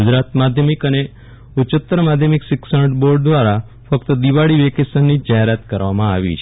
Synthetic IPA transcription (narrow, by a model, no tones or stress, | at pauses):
ud͡ʒɾat̪mad̪ʱjəmikəne | ʊt͡ʃət̪ːɾəmad̪ʱjəmiksɪksəʈboɾɖ̚d̪ʋaɾa | fək̚t̪əd̪iʋaɭiʋekesənːid͡ʒaɦeɾat̪kəɾʋamãaʋḭt͡ʃʰ